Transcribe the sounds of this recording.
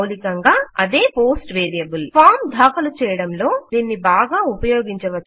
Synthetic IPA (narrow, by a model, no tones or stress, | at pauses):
likɐŋɡaːɐd̪e̞ːpoːsʈʋeːɾijɐbulpʰaːɾmd̪ʱaːkɐlut͡ʃɛːjɐɽɐmlo̞ːd̪iːnːibaːɡaːupɐjo̞ːɡiɲt͡ʃɐʋɐt͡ʃː